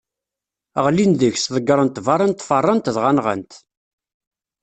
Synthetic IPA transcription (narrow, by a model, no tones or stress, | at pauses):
əʁlinðəçsðˤəɡːɾˤənt̪ːvɑɾˤənt̪ːfərˤːənt̪ðʁanʁə̰nt̪